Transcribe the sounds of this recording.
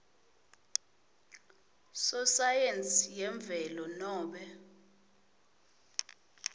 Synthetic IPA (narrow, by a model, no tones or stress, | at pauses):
sɔsajent͡sʼijɛɱb̪vʱɛlɔnɔːɓɛ